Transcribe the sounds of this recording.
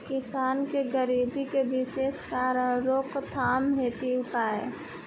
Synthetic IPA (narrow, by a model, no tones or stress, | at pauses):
kɪsaːnkeɡəɾiːbikeʋɪʃeːskaːɾəɾoːkt̪ʰaːmɦeːt̪iʊpaːḛː